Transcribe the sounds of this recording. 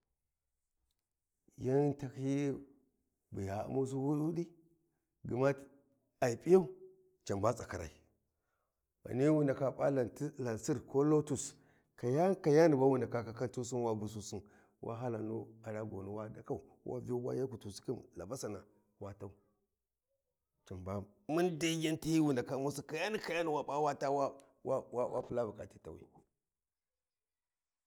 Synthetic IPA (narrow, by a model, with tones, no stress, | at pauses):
ja˦nta˦khi˦ | bu˨ja̰˨˦mu˦s̬u˦hu˦ɗu˦di˦ | ɡə˨ma˦ | a˨i˨pʼi˦ja˦u˦ | t͡ʃa˨mba˦t͡sʼa˨ka˨ɾa̰˨i˨ | wa̰˨ni˦wu˦nda˨ka˦pʼa˦la˨ni˦la˨nsi˦ɾko˦lo˦tu˨s | ka˨ja˦ka˨ja˦ndi˨ba˦wu˦nda˨ka˦ka˨ka˦ntu˦s̬i˦nwa˦bu˨s̬u˦si˦n | wʔa̰˦ɦa˦la˨nu˦a˨ɾa˦ɡo˨nu˦wa˦da˨ka˦u˨wʔa̰˦vi˦o˦wa̰˦ja˦ku˨tu˨si̥˦ki˦mla̰˨ba˦sa˨na̰˨ | wa˦ta˦u˦ | t͡ʃi˨mba˦m | mu˦nda˦ɡi˦nti˦hi˦wu˨nda˨ka˦mu˦si˦ka˨ja˦ni˦ka˨ja˦ni˨wa˦ɓa˦wa˦ta˦wa˦ | wa˦wa˦wʔa̰˦pu˦la˦bu˨ka˨ti˦ta˨wḭ˨